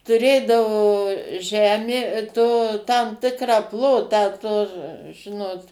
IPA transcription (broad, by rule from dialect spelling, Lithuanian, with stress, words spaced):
tʊˈrʲeːdɐʋoː ˈʒʲæːmʲeː toː tɐm ˈtʲɪkrɑː ˈplˠoːtɑː toː ˈʒʲɪnoːt